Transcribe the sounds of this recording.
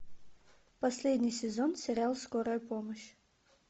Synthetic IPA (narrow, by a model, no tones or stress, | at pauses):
pɐsʲlʲed̪ʲnʲijsʲɪzonsʲɪɾʲalˠskoɾəjəpoməɕ